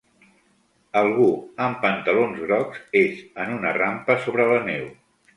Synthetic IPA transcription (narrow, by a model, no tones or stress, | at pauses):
əlˠɣ̞uəmpənt̪əlonzɣɾɔkzezənunərampəsoβɾələnew